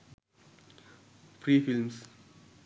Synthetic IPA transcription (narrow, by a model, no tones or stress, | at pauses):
fɾiːfilms